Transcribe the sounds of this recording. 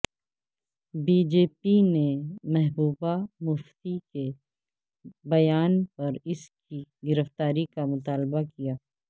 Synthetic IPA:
biːd͡ʒeːpinemɛɦbuːbamʊft̪ike | bɐjaːnpɐɾɪskiɡɪɾəft̪aːɾikamʊt̪aːlbakijaː

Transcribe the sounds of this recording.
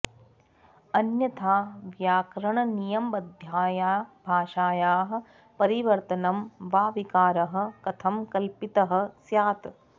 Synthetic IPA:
ɐnjɐt̪ʰaːʋjaːkɾɐɳɐnijɐmbɐd̪ʱjaːjaːbʱaːʂaːjaːɦɐ̆ | pɐɾiʋɐɾt̪ɐnɐmʋaːʋikaːɾɐɦɐ̆kɐt̪ʰɐmkɐlpit̪ɐɦɐ̆sjaːt̪

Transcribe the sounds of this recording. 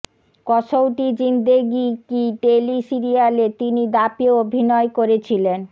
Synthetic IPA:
kɔʃowʈid͡ʑind̪eɡikiɖelisiɾialet̪inid̪apioobʱinɔekoɾet͡ɕʰilen

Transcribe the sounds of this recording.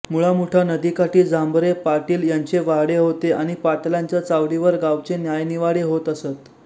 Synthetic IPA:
muɭamuʈʰanəd̪ikaʈiːd͡zambɾepaɾʈiːljaɲt͡ɕeʋaɦɽeɦot̪eʔaɽ̃ipat̪ljãɲt͡ɕat͡saʋɽiʋəɾɡawt͡ɕenjajniʋaɽeɦot̪əset̪

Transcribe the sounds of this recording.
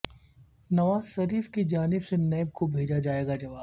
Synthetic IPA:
nɐʋaːzʃɐɾiːfkid͡ʒaːnɪbsenɛːb̚kobʱeːd͡ʒad͡ʒaːeːɡad͡ʒɐʋaːb

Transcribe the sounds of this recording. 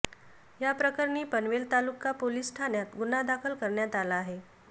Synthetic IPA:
japɾəkəɾɳiːpənʋelt̪alukːapoliːsʈʰanjat̪ɡunad̪akʰəlkəɾɳjat̪alaːɦe

